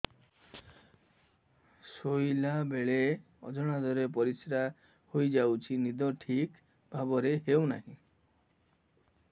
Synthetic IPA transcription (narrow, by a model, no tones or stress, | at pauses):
sojlabeɭe | ɔ̰d͡ʒɔɽ̃ad̪ɔɾep̬ɔɾisɾa | hojd͡ʒawt͡ʃʰinid̪ɔʈʰik | bʱabɔɾeɦewnaɦĩ